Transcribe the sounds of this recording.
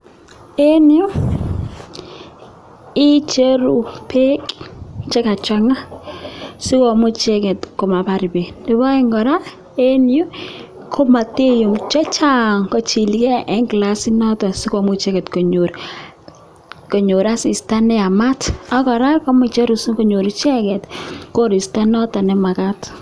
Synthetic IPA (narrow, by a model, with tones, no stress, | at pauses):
e˦ni˦u˦ | ɪ˦t͡ʃe˦ɾu˨pʰe˦kt͡ʃe˦ka˨t͡ʃa˦ŋa˦ | si˦kɔ˨mʊ˦t͡ʃe˦kɛ˨tko˨ma˨pa˨ɾi˨be˨de˨βɔ˦ɛ˦ŋɡɔ˨ɾa˦ | e˦ni˦o˦ | kʰo˦ma˨te˦jo˨mt͡ʃɔ˦t͡ʃa˦ŋkɔ˨t͡ʃi˨likɛ˦ʔɛ˦ŋɡla˦si˦nɔ˦tɔ˨si˦kɔ˨mʊ˦t͡ʃɛ˦kɛ˨tko˨ɲo˨ɾ | kɔ˨ɲo˨ɾa˦si˨sta˦nɛ˦a˨ma˦ta˦kɔ˨ɾa˦kɔ˦mʊ˦t͡ʃe˦ɾu˨sko˨ɲo˨ɾu˨t͡ʃɛ˦kɛ˨tko˦ɾi˨sta˦nɔ˦ta˨nɛ˨ma˨ka˦t